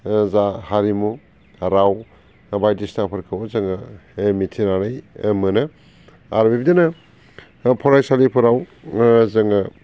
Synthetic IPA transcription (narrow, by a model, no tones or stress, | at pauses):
zahaɾimu | ɾaw | bajdisnapʰɯɾkʰɯwzɯŋɯmitʰinaɾɯjmɯnɯ | aɾbibidanɐ | pʰɔɾajsalipʰuɾawzɯŋɯ